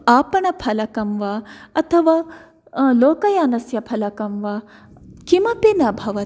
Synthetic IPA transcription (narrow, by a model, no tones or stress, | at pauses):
aːpɐɳɐpʰɐlɐkɐmʋaːɐt̪ʰɐʋaː | loːkɐjaːnɐsjɐpʰɐlɐkɐmʋaː | kimɐpinɐbʱɐʋɐ